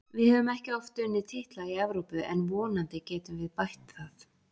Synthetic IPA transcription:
vɪðhɛːvʏmɛhcɪɔft̪ʏːnːɪt̪ʰɪht̪laɣiɛvɾowpʏʔɛ̰nvɔːnant̪ɪcɛːt̪ʏmvɪðpajht̪θaθ

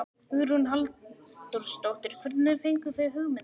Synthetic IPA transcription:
ʏɾunɦalt̪uɾ̥st̪owht̪ɪɾ̥kvʏɾt̪nɪðfejŋkʏθœɥɦʏɣmɪ

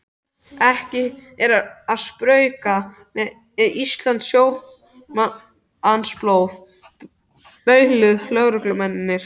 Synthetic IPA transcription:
ɛhcɪɛɾaaðspɾœːɥka | mɛ | ɛðʔist̪lant̪sjoːw | ansploːwð | pœːɥhlʏðlœɣɾʏklœmɛnɪnːɪɾ̥

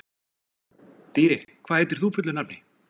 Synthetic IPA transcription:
t̪iːɾɪkʰvaːðhejt̪ɪɾ̥θufʏt̪lʏnap̚nɪ

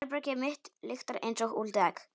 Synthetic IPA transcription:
ɾpɾœcɪmɪht̪lɪxt̪aɾḛjnsowɣult̪ɛːk

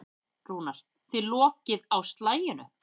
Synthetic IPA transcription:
kɾuːnaɾ̥ | θvɪlɔːcɪðawst̪laːjɪnʏ̰

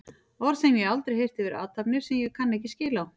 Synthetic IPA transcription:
ɔɾsɛmjɛɣalt̪ɾejhejr̥t̪ɪvɪɾa̰ːwt̪ʰapnɪɾ̥sɛmjɛɣkʰanːɛhcɪscɪːlaw

